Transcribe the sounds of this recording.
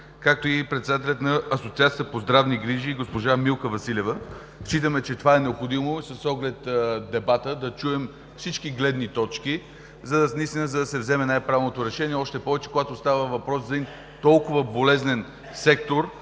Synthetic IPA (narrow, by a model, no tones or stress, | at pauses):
kak̚t̪oipɾɛt̪sɛd̪at̪ɛlʲət̪nɐɐsot̪siat̪siəəpozd̪ɾavniɡɾiʒiɡospoʒamilˠkəvɐsilʲɛvə | ʃit̪əmɛt͡ʃɛt̪ovaɛnɛopxod̪imoisəsɔɡlɛt̪d̪ɛbat̪əd̪ɐt͡ʃuɛm | fsit͡ʃkiɡlɛd̪nit̪ɔt͡ʃk̟i | zɐd̪ɐnɐist̪inəzɐd̪ɐsɛvzɛmɛnajpɾavɛvlnot̪oɾɛʃɛniɛɔʃt̪ɛpɔvɛt͡ʃɛ̥koɡat̪ost̪avəvɐpɾɔszɐd̪in | t̪ɔlˠkʊvəbolɛznɛn | sɛk̚t̪oɾ